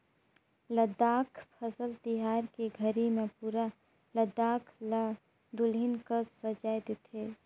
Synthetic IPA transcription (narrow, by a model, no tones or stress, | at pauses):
ləd̪aːkʰpʰəsəlt̪iɦaːɾkeɡʱəɾimẽpuːɾa | ləd̪aːkʰla | d̪ʊlɦɪnkəssəd͡ʒaːjd̪ɪt̪ʰeː